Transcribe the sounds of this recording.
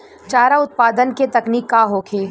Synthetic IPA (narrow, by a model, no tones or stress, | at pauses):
t͡ʃaːɾaʊt̪̚paːd̪ənket̪ɐkniːkːaɦoːkʰeː